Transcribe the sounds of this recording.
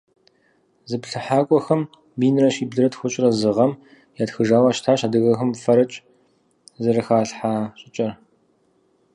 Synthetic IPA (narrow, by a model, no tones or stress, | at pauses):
zɨpɬɨħaːkʷʼɔxɐm | biːnrɐɕiːbɮɨɾɐtxʷʊɕʼrɐzɨʁɐm | jaːtxɨʒaːwaʃtʰaːɕaːdɨɣɐxɐmfɐɾɐt͡ʃʼ | zɐrɨxaːɬħaːɕʼɪt͡ʃʼɐr